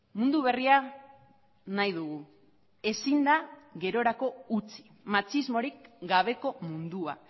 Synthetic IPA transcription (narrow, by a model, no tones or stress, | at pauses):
mũnd̪uβ̞e̞ria | najðuɣu | e̞sind̪aɣe̞ɾo̞ɾako̞ut͡si̥ | mat͡ʃizmo̞ɾikɡaβ̞e̞ko̞mund̪ua̰